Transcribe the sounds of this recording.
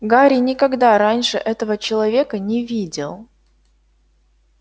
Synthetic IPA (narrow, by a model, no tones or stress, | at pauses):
ɡaɾʲɪnʲɪkɐɡd̪aɾanʲʂɨʔɛt̪əvət͡ɕɪlˠɐvʲe̞kənʲɪvʲidʲɪlˠ